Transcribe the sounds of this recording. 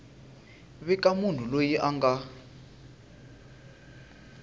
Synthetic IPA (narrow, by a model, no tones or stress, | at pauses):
βɛkamun̤ulojiʔaŋɡa